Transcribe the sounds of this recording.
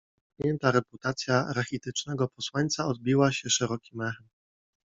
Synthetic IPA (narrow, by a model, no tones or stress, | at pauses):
pʲjɛnt̪aɾɛput̪at̪sʲjaɾaxʲit̪ɘt͡ʂnɛɡɔpɔswaɲʲt̪saɔd̪̚bʲiwaɕɛʂɛɾɔkʲimɛxɛm